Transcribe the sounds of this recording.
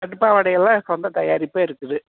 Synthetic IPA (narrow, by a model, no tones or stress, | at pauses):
ɐʈɯpːaːʋɐɽɐjɛlːãːɪkːɐɐnd̪ɐt̪ɐjaːɾɪpːaːɪɾɯkːɯðɯ